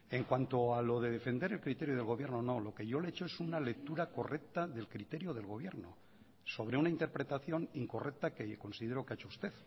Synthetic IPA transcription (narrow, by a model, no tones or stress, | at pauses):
e̞ŋkwant̪o̞alo̞ðe̞ð̞e̞fe̞nd̪e̞ɾelkɾit̪e̞ɾjoð̞e̞lɣo̞βje̞ɾnono̞lo̞ke̞ʝo̞le̞et͡ʃo̞esunale̞k̚t̪uɾako̞rʔek̚t̪aðe̞lkɾit̪e̞ɾjoð̞e̞lɣo̞β̞jeɾno̞̰ | so̞β̞ɾeunaint̪eɾpɾe̞t̪aθjo̞niŋko̞rek̚t̪ake̞ko̞nsiðe̞ɾo̞keet͡ʃoust̪e̞ð